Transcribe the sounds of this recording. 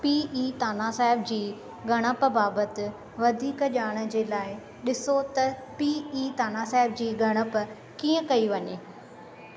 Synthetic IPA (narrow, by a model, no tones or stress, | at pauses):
piːiːt̪aːnasaːɦɪbd͡ʑiː | ɡʱɐɽ̃əpbaːbət̪ɪ̆ | ʋɐd̪ʱiːkʄaːɽ̃ə̆d͡ʑeːlaːɪ | ɗɪsot̪ɐpiːiːt̪aːnasaːɦɪbd͡ʑiːɡʱɐɽ̃əp | kiːə̃kɐiʋɐɲeː